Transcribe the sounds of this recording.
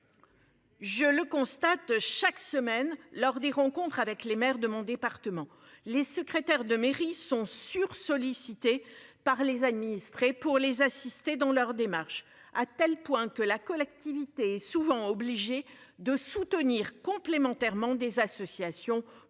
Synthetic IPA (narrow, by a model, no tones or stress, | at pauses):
ʒələkɔ̃st̪at̪ʃaksəmɛnlɔʁd̪eʁɑ̃kɔ̃t̪χavɛklemɛʁd̪əmɔ̃d̪epaʁt̪əmɑ̃ | lesəkχet̪ɛʁd̪əmeʁisɔ̃syʁsɔlisit̪epaʁlezad̪minist̪χepuʁlezasist̪ed̪ɑ̃lœʁd̪emaʁʃ | at̪ɛlpwɛ̃kəlakɔlɛkt̪ivit̪eɛsuvɑ̃ɔbliʒed̪əsut̪əniʁkɔ̃plemɑ̃t̪ɛʁmɑ̃d̪ezasɔsjasjɔ̃